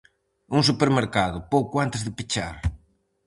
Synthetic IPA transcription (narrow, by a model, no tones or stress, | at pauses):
uŋsupeɾmeɾkaðʊpowkʊant̪ɪzðɪpit͡ʃa̰ɾ